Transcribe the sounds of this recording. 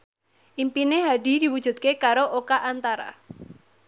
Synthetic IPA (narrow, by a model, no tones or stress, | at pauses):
ʔimpineɦaɖi̤d̪i̤wud̥ʒ̥ṳt̪̚kekaɾoʔokaʔant̪aɾa̰